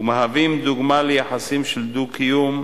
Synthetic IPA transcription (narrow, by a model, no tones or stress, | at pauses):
umaɦavimd̪uɡmalejaħasimʃeld̪ukʰijum